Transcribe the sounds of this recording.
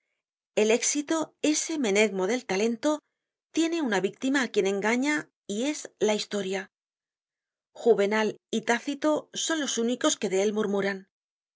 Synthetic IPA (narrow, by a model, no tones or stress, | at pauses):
e̞le̞ksit̪oe̞se̞me̞ne̞ɣmo̞ðe̞lt̪ale̞nt̪o̞ | t̪je̞ne̞unaβik̚t̪imaːkje̞ne̞ŋɡaɲa | ie̞zlaist̪o̞ɾja | xuβe̞nalit̪aθit̪o̞so̞nlo̞suniko̞ske̞ðe̞e̞lmuɾmuɾan